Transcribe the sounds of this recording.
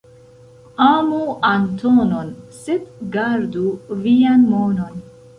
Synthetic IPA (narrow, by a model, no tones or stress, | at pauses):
aːmuant̪ʰonɔnsit̪ɡaɾd̪uvijanmoːnon